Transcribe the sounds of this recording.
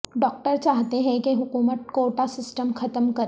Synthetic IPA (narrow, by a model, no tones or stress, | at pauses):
ɖɔːk̚ʈəɾt͡ʃaːɦt̪eɦɛ̃keɦʊkuːmət̪̚koːʈasɪsʈəmxʰɐt̪əmkɐɾ